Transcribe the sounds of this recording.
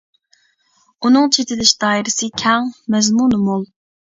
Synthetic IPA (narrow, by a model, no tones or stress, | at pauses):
unɨŋt͡ʃʰet̪ʰɪd̪ɪʃd̪̥ɑːiɾɪsɨkʲʰɛŋmɛzmunmulˠ